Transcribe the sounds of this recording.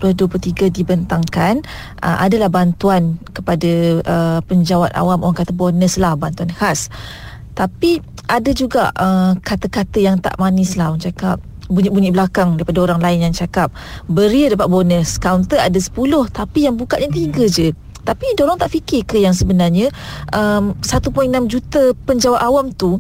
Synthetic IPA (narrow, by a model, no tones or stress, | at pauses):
puaduəplut̪iɡadibənt̪aŋkan | ʔə̰mʔa̰dalahbant̪uankəpadaʔəpəɲd͡ʒawat̪a̰wamo̰ɾaŋkat̪əbonəslahbant̪uanhas | t̪api | ʔadad͡ʒuɡaʔəkat̪əkat̪əjaŋt̪a̰ʔmanɪslaŋt͡ʃakap̚ | buɲiʔbuɲibəlakaŋdaɾipadaoɾaŋlaɪnjaŋt͡ʃakap̚bəɾiədapat̪̚bonəskawnt̪əadasə̥pulʊht̪apijaŋbukat̪̚ɲat̪̬iɡəd͡ʒə | t̪apidolɔŋt̪aʔfikɪkəjaŋsəbənarɲə̃ʔəmsat̪upoɛŋnamd͡ʒut̪apəɲd͡ʒawat̪awamt̪u